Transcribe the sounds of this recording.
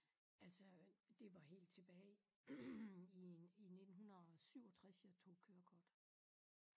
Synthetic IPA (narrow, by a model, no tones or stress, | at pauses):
ælsɒ̽d̥e̝ʋɑ̈he̝̰ːld̥̚t͡sʰe̝b̥ɛː | iine̝d̥n̩hunɐɒsyʊ̰ɒ̽t͡sʰʁasiɐt͡sʰo̝̰ːkʰøːɐkʰɒd̥